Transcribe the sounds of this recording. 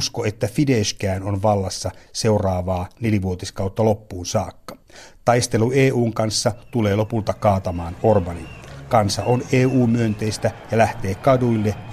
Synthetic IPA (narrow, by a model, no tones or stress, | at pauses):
skoe̞t̪ːæfideʃkæːnonʋɑlːɑsːɑse̞urɑːʋɑːneliʋuot̪iskɑwt̪ːɑlo̞pːuːnsɑːkːɑ̥ | t̪ɑjst̪e̞lueːuːŋkɑnsːɑt̪ule̞ːlo̞pult̪ɑkɑːt̪ɑmɑːno̞rbɑninkɑnsːɑʔoneːuːmyønt̪e̞jst̪æjɑlæht̪e̞ːkɑduilːe